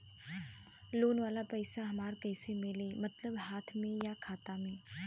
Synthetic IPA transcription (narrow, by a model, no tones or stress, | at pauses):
loːnʋaːlapɛɪsaɦɐmaːɾkɛːsemɪlemɐt̪ləbɦaːt̪ʰmẽjakʰaːt̪amẽː